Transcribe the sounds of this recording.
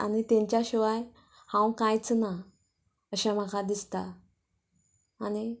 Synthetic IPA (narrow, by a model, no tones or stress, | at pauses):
a̰nit̪ẽɲt͡ɕjaɕiʋaj | hãwkãjt͡sna | əɕãm̤akʰad̪ist̪a | ni